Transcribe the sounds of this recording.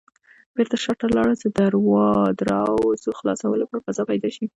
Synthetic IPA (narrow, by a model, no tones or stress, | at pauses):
b̥eɾt̪aʃaʈalɑɽat͡səd̪aɾwɑd̪ɾɑwzoxlɑ̰sawəlopəɾfazɑpajd̪ɑʃi